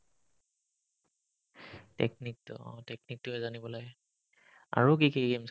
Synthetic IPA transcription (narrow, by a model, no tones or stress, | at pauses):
tɛ̰k̚nik̚tɔ̰̃tɛknik̚tʊɛzanibɔlaɡɛ | a̰ɹok̬ikiɡems